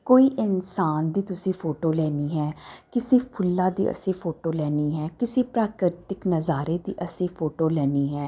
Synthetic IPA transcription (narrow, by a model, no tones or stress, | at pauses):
koːiːʔɪnsaːnd̪iːt̪ʊsĩːpʰoːʈoːlɛːniːɦɛːkɪsĩːpʰʊlːãːd̪ḭːʔə̰sĩːpʰoːʈoːlɛːniːɦɛːkɪsĩːpɾaːkɾɪt̪ɪknəzaːɾeːd̪ḭːʔəsĩːpʰoːʈoːlɛːniːɦɛː